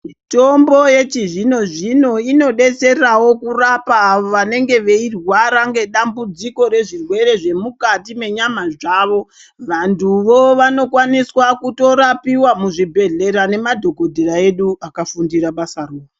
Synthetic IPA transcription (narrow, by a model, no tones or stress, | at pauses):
mito̞mbo̞je̞t͡ʃiʐino̞ʐino̞ino̞ɗe̞t͡se̞awo̞kurapaːʋo̞ʋane̞ŋɡe̞ʋeirwaɾaŋɡe̞ɗambud͡ziko̞ɾe̞ʐirwe̞ɾe̞ʐe̞mukatime̞ɲamaʐaːʋo̞ | ʋantʰuʋo̞ʋano̞kwaniswakuto̞ɾapiwamuʐibʱe̞ɮe̞ɾane̞madʱo̞ko̞dʱeɾae̞ɗuakafundiɾaɓasaruːa